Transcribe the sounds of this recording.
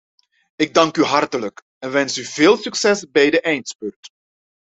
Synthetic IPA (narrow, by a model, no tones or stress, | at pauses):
ɪɡ̚dɑŋkyɦɑrtələk | ɛnʋɛnsyveːlˠsyksɛsbɛjdəʔɛjntspɵrt